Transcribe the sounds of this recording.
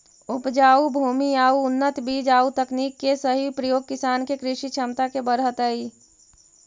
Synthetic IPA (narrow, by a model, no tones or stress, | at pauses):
ʊpd͡ʒaːubʱuːmiaːuʊnːət̪biːd͡ʒaːut̪əkniːkːesəɦipɾəjoːɡ̚kɪsaːnkekɾɪʃit͡ʃʰɐmt̪akebəɾɦət̪əiː